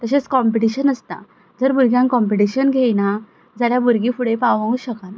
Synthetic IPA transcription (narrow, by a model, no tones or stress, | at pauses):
t̪əɕ̬et͡skɔmpiʈiɕənəst̪a̰ | d͡zəɾbuɾɡʱjãŋkɔmpeʈiɕənɡʱena | d͡zaljabuɾɡifuɽepaʋʋãuːɕəkan